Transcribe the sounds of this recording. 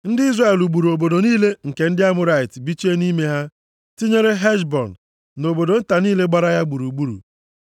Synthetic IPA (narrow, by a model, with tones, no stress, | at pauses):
n̩˦dɪ˦i˦zra˦e˨lu˨ɡ͡bu˨ɾu˨o˨bo˨do˨niː˦le˦ŋ̩˨ke˨n̩˦dɪ˦a˦mʊ˦ɾa˨ɪ˨tbi˦t͡ʃi˦e˦ni˦me˦ɦa˦ | ti˦ɲe˦ɾe˦ɦɛ˦ʃbɔ̰˨n˨ | no˨bo˨do˨n̩˦ta˨niː˦le˦ɡ͡ba˦ɾa˦ja˦ɡ͡bu˨ɾu˨ɡ͡bu˦ɾṵ˨